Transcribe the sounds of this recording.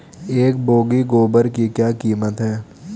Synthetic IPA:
eːkboːɡiɡoːbəɾkikjaːkiːmət̪ɦɛː

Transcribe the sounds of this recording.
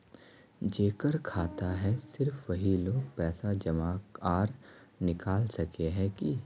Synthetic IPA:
d͡ʒeːkəɾkʰaːt̪aɦɛsɪɾfʋɐɦiloːɡ̚pɛːsad͡ʒɐmaːkaːɾnɪkaːlsɐkeɦɛ̃ki

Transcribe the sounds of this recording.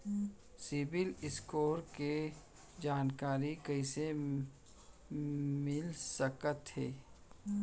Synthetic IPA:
sɪbɪlɪskoːɾke | d͡ʒaːnkaːɾikɐise | mɪlsəkət̪ɦeː

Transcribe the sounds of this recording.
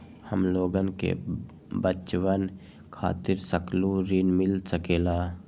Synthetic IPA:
həmloːɡənkḛ | bət͡ʃwən | kʰa̰ːt̪ɪɾsəkluɾinmɪlsəkeːlaː

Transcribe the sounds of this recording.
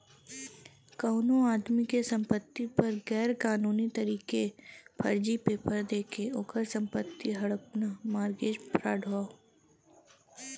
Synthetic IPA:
kɐːnõaːd̪mikesɐ̃mpət̪ːipɐɾɡɛːɾkaːnuːnit̪ɐɾiːkepʰɐ̰ɾd͡ʒipeːpəɾd̪eːkʰeoːkəɾsɐ̃mpət̪ːiɦɐɽəpnamaːɾɡeːd͡ʒpɾaːɖʱoː

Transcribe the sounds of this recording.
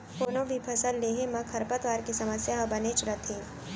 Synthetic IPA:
foːnõbʱipʰɐsəlːeːɦemɐ̃kʰɐɾpət̪ʋaːɾkisɐməsjaɦɐbɐneːt͡ʃɾɐt̪ʰẽː

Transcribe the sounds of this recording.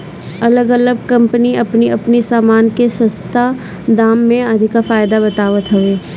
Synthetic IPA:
ɐləɡɐləɡ̚kɐ̃mpəniɐpniɐpnisaːmaːnkesɐ̃st̪a | d̪aːmːẽɐd̪ʱɪkafaːjd̪abɐt̪aːʋət̪ɦɐʋeː

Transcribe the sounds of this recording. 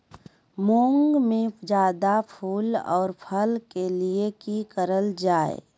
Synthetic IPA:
mõːŋɡmẽd͡ʒaːd̪apʰuːlɔ̰ːɾpʰəlkeliekikəɾəld͡ʒaːḛ

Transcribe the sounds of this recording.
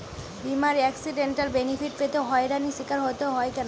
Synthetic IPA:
bimaɾɛksiɖeɳʈaɾbenifiʈpet̪eɦɔeɾaniʃikaɾɦot̪eɦɔekɛno

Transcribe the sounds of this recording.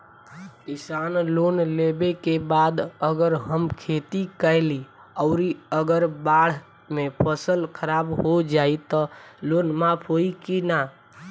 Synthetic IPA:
kisanlonlebekebad̪əɡəɾɦəmkʰet̪ikəli | ɔʊɾiəɡəɾbaɽ̤ | mepʰəsəlkʰəɾabɦod͡ʒait̪ɔlonmapʰɦoikina

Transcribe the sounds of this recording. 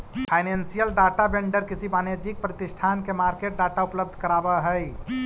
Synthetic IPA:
pʰajnensijəlɖaʈabeɳɖəɾkisʰibaned͡ʒik̚pɾət̪isʈʰankemaɾkeʈ̚ɖaʈaupləbd̪ʱkəɾabəɦəj

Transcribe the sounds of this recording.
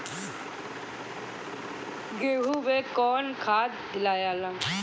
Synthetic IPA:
ɡeːɦuːʋeːkɔːnkʰaːd̪d̪ɪlaːjaːlãŋ

